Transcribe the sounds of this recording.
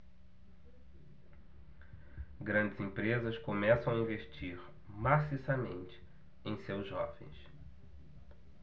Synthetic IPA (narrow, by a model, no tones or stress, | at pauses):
ɡɾɐ̃nd͡ʒɪzĩpɾezɐskomɛsɐ̃w̃aĩveʃt͡ʃiɾ | masisɐmẽnt͡ʃɪ̥ | ẽj̃sewzʒɔ̰vḛ̃j̃s